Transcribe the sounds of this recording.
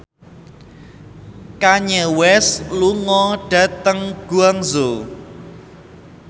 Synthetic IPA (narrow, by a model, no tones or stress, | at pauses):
kaɲɛwɛsluŋɔɖ̥ä̤t̪əŋɡ̥uaŋzo